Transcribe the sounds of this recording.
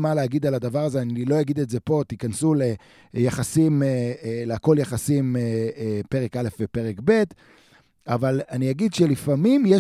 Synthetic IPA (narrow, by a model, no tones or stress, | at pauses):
maleaɡid̪alad̪avaʁazeanilo̞jaɡid̪etze̞po̞t̪ikansule | jaχasimeleako̞ljaχasimepe̞ʁe̞kale̞fbepe̞ʁekbe̞t | avalaniaɡid̪ʃelifamimje